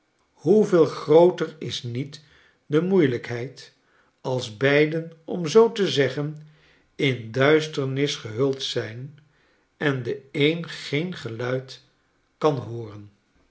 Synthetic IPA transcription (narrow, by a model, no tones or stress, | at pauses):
huvɪːlˠχrowtərɪsnit | dəmujləkɦɛjt | ɑlˠzbɛjdənɔmzowtəzɛχən | ɪndœɥstəɹnɪsχəɦɵlˠtsɛjn | ɛndəejnχejnχəlœɥt | kɑnɦʊːrən